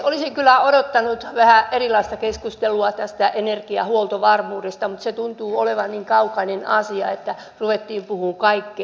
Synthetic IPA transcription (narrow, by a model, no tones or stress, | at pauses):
olisiŋkylˑæodot̪ːɑnut̪ʋæhæʔerilɑist̪ɑkeskust̪eluɑt̪æst̪æʔenerkiɑ̰huolt̪oʋɑrmuːdest̪ɑmut̪set̪unt̪uːoleʋɑnniŋkɑukɑinenɑsiɑ̰et̪ːæ | ruʋet̪ːiːmpuhuːŋkɑikːi